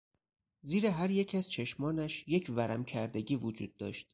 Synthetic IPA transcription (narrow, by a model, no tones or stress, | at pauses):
ziːɾeɦæɾje̞cʰæz̥t͡ʃʰe̞ʃmɒːnæʃje̞cʰvæɾæmcʰæɾd̪e̞ɟiːvod͡ʒṵːd̪̥̚ːɒ̰ːʃt̪̚